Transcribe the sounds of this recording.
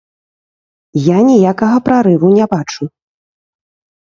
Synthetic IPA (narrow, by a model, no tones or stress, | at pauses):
janʲijakɐɣɐpɾaɾɨvunʲɛbat͡ʂu